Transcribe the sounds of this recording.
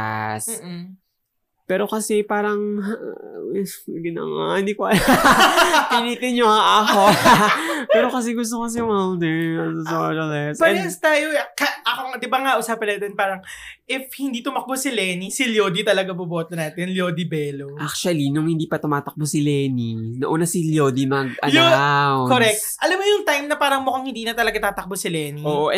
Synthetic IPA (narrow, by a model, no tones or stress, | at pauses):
a̰s | pɛːɾo̞kɐsɛpaːɾɐŋ | wɛɡɪnɐ̰ŋa̰hɪnd̪ikoɐl | piniːt̪ɪnɲoɐŋʔɐko | pɛːɾo̞kɐs̬ɛɡʊst̪okɐs̬ɛjʊŋald̪ɛɹɐsosoʃɐlɛsʔpɐɛst̪aːjokɐʔɐkoŋd̪ɪbaŋaʔʊsaːpɐnaːt̪ɛnpaːɾɐŋʔɪfhɪnd̪iːt̪ʊmɐk̚bosɪlɛːnisɪljoːd̪it̪ɐlɐɡabʊboːt̪ɐnaːt̪ɛnljoːd̪ibɛːloʔak̚t͡ʃuɐlinʊŋhɪnd̪iːpɐt̪ʊmaːt̪ɐk̚bosɪlɛːninɐʔuːnɐsiljoːd̪imɐɡʔɐjoawkːoɾɛk̚tʔɐlɐmːojʊŋt̪ajmnɐpaːɾɐŋmʊkaŋhɪnd̪iːnɐt̪ɐlɐɡat̪aːt̪ɐk̚bosɪlɛːnioːʔoʔ